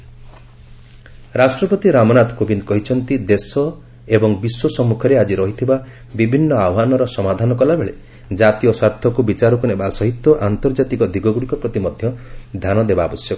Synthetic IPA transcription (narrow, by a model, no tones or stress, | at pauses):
ɾasʈɾɔpɔt̪iɾamɔnat̪ɔ̥kobind̪kɔɦit͡ʃʰɔnt̪id̪esɔ | ebɔŋbiswɔsɔmːukʰɔɾead͡ʒiɾɔɦit̪ʰiba | bibʱinːɔawɦanɔɾɔsɔmad̪ʱanɔkɔlabeɭe | d͡ʒat̪ijɔswaɾt̪ʰɔkubit͡ʃaɾɔkunebasɔɦit̪ːɔʔant̪ɔɾd͡ʒat̪ikɔd̪iɡɔɡuɽikɔpɾɔt̪imɔd̪ʱjɔd̪ʱjanɔd̪ebaːbɔsjɔkɔ